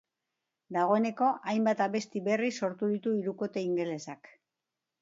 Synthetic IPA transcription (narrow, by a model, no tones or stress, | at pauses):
d̪aɣ̞o̞e̞ne̞ko̞ʔajmbat̪aβe̞st̪iβe̞risːo̞ɾt̪uðit̪uiɾuko̞t̪e̞iŋɡe̞le̞sak